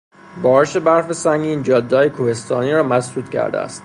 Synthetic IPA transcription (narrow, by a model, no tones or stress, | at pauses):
bɒːɾeʃe̞bæɾfesæŋɡiiːnd͡ʒɒːd̪ːɒːjekʰuhe̞st̪ɒːniːɾɒːmæsd̪uːt̪cʰæ̰ɾd̪ḛæ̰st̪